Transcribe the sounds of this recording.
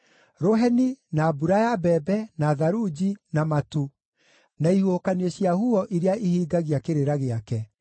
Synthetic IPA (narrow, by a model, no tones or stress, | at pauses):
ɾoɦɛninaːbuɾajabɛbɛnaðaɾud͡ʑinamatu | naihuokaneɔɕjahuɔʔiɾeaʔihiːɡaɣiakeɾeɾaɣeakɛ